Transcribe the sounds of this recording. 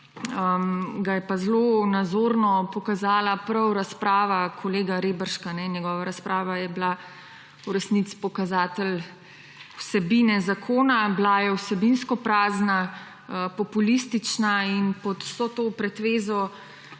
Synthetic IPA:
əmɡajɛpazloːnad̪zoːɾnɔpɔkazaːlapɾɐwɾaspɾaːʋakʰɔleːɡaɾeːbəɾʃkanɛnjɛɡɔːʋaɾaspɾaːʋajɛbla | uɾɛsnit̪si̥pɔkazaːt̪ɛl | wsɛbinɛzakʰoːnablajɛwsɛbinskɔpɾaːzna | əpɔpulist̪it͡ʃnainpɔt̪w̥sɔt̪oːpɾɛt̪ʋeːzɔ

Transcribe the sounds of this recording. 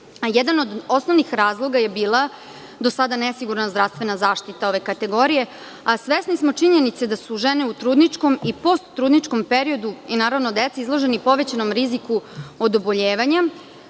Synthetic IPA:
jed̪ano̞d̪o̞snoʋnixɾaːzlˠo̞ɡaje̞biːlˠa | d̪o̞sad̪anesiɡuɾnazd̪ɾafst̪ʋe̞nazaːʂt̪it̪ao̞ʋe̞kat̪e̞ɡo̞ɾije̞ | asʋesnismo̞t͡ʂiɲe̞nit̪sed̪asuʒeneut̪ɾuːd̪nit͡ʂko̞mipo̞st̪ːɾuːd̪nit͡ʂko̞mpeɾio̞d̪uinaːɾaʋnod̪et̪seizlˠo̞ʒe̞nipo̞ʋe̞t͡ɕanomɾizikuod̪o̞bo̞ʎeːʋaɲa

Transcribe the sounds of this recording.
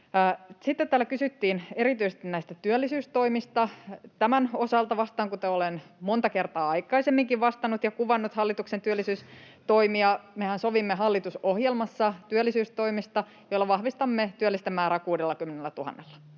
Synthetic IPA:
sit̪ːet̪t̪ːæːlækysyt̪ːiːneɾit̪yise̥st̪inæist̪æt̪yølːisyːst̪oimist̪ɑt̪æmænosɑlt̪ɑʋɑst̪ɑːŋkut̪æolenmont̪ɑkert̪ɑːɑikːˑɑisemːiŋkiʋʋɑst̪ɑnut̪jɑkuʋɑnːut̪hɑlːit̪uksent̪yælːˑisyːs | t̪oimiɑmehænsoʋimːeɦɑlːit̪usohjelmɑsːɑt̪yælːisyːst̪oimist̪ɑ | joilːɑʋɑhʋist̪ɑmːet̪yælːist̪æmæːɾækuːdelːɑkymːenelːæt̪uhɑ̰nːelːɑ̥

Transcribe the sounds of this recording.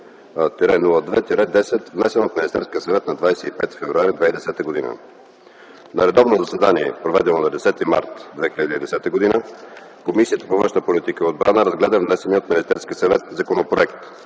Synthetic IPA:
t̪ɛɾɛnulˠəd̪vɛt̪iɾɛd̪ɛsɛt̪vnɛsɛnot̪minist̪ɛɾskiəsɐvɛt̪nɐd̪vajsɛipɛt̪i̥fɛvɾuaɾid̪vɛid̪ɛsɛt̪əɡod̪inə̰ | nɐɾɛd̪ɔvnozɐsɛd̪aniɛpɾovɛd̪ɛnonɐd̪ɛsɛt̪ima̰ɾt̪d̪vɛxilʲəd̪iːd̪ɛsɛt̪əɡod̪inə | komisiət̪əpovə̃nʃnəpolit̪ikəod̪bɾanəɾɐzɡlɛd̪əvnɛsɛniəot̪minist̪ɛɾskʲiəsɐvɛt̪zɐkonopɾoɛkt̪

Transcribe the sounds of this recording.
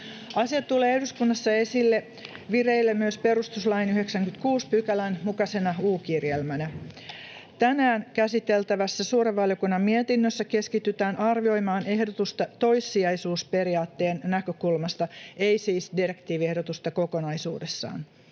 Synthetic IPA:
ɑsiɑt̪t̪ːuleːehduskunːɑsːɑe̞silːe | ʋireilːemmyøspe̞ɾust̪uslɑjnyheksæŋkyt̪kuːspykælænmukɑsenɑuːkirjelmænæ | t̪ænæːnkæsit̪elt̪æʋæsːæsuːɾeʋʋɑljokunːɑmmiet̪inːøsːæke̞skit̪yt̪æːnʔɑrʋio̞jmɑːne̞hdot̪ust̪ɑt̪o̞jsːiɑjsuːspe̞ɾiɑːt̪ːe̞ːnːækøkulmɑst̪ɑejsiːsdirekt̪iːʋiehdot̪ust̪ɑko̞konɑjsṵːdesːɑ̰ːn

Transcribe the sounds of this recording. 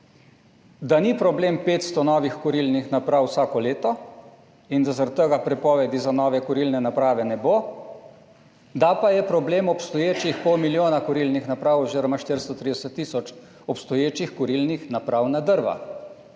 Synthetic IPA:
d̪anipɾɔbleːmpeːt̪st̪ɔnɔːʋixkɔɾilnixnapɾawsaːkɔleːt̪ɔ | ind̪azaɾad̪t̪ːəɡapɾɛpɔːʋɛd̪izanɔːʋɛkɔɾilnɛnapɾaːʋɛnɛboː | d̪apajɛpɾɔbleːmɔpst̪ɔjeːt͡ʃixpɔwmiljoːnakɔɾilnixnapɾaːwɔzeɾɔmaʃt̪iɾst̪ɔt̪ɾiːd̪ɛsət̪ːiːsɔt͡ʃ | ɔpst̪ɔjeːt͡ʃixkɔɾilnixnapɾawnad̪əɾʋa̰

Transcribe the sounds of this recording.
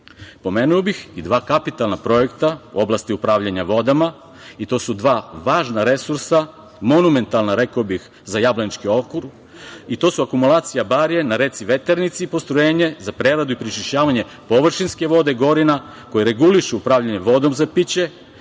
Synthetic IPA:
po̞me̞ːnuobixid̪ʋaːkapit̪alnapɾo̞je̞kt̪aṵo̞blast̪iupɾaːʋʎaɲaʋo̞d̪ama | it̪o̞ːsud̪ʋaːʋaːʒnaɾe̞suɾsa | mo̞nume̞nt̪alˠnaɾe̞kobix | zajablanit͡ʃkio̞kuɾ | it̪o̞ːsuakumulˠaːt̪sijabaɾje̞naɾe̞t̪siʋe̞t̪eɾnit̪siːpo̞st̪ɾojeːɲe̞zapɾe̞ːɾad̪uipɾit͡ʃiʃt͡ɕaːʋaɲe̞ | po̞ʋr̩ʃinske̞ʋo̞d̪e̞iɡo̞ɾina | ko̞jeɾe̞ɡuliʃuupɾaːʋʎaɲeʋo̞d̪o̞mzapit͡ɕe̞

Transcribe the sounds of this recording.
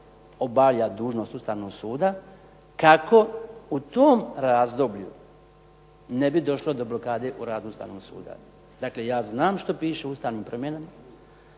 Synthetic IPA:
o̞baljad̪uːʒno̞st̪ust̪aʋnoɡsuːd̪a | kako̞ut̪oːmɾaːzd̪obʎṵ | nebid̪o̞ʃlo̞d̪o̞blo̞kaːd̪e̞ʔuɾaːd̪uust̪a̰ʋnoːɡsṵːd̪a̰ | d̪akle̞jaːznaːmʃt̪o̞piːʃeust̪aːʋniːmpɾomjenama

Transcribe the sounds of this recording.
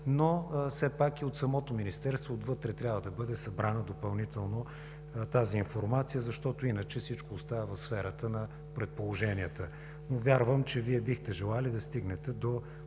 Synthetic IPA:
nosɛpakiot̪sɐmɔt̪ominist̪ɛɾst̪voːt̪vɤt̪ɾɛt̪ɾʲjabvəd̪ɐbɤd̪ɛsɐbɾanəd̪opɐlˠnit̪ɛlˠno | t̪aziːnfoɾmat̪sijəzɐʃt̪ɔt̪oinət͡ʃɛfsit͡ʃkoːst̪avɐvɐfsfɛɾət̪ənɐ | pɾɛt̪̚polˠoʒɛniət̪ə | novʲjaɾvəmt͡ʃɛviɛbixt̪ɛʒɛlˠalid̪ɐst̪iɡnɛt̪ɛd̪o

